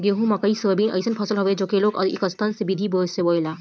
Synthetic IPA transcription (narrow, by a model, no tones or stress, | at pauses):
ɡeɦũmɐkɐisʋɐbiːnʔɐ̰ɪsənpʰɐsəlɦoʋed͡ʒoːkeloːɡɐ̰d̪ḭkəst̪ənsebid̪ʱiboːseboːjlaː